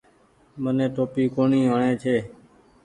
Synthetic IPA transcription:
mənẽːʈ̪oːpiːkoːɳiːɦəɳẽːt͡ʃʰeː

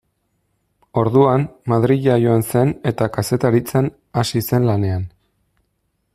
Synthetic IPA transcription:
o̞ɾðuanmaðɾiʎajo̞anse̞ne̞t̪akase̞t̪aɾit͡san | asise̞nlane̞an

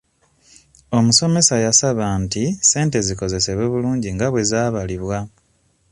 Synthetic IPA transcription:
o̞muso̞me̞sajasaβantise̞ːnte̞ziko̞ze̞seβwe̞βuluːɲɟiŋɡaβwe̞zaːβaliβwa

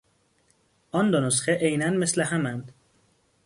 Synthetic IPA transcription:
ɒnd̪onosxeʔejnænmesleɦæmænd̪̥

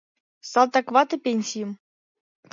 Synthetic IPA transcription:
salˠt̪akvat̪əpʲenʲsʲijəm

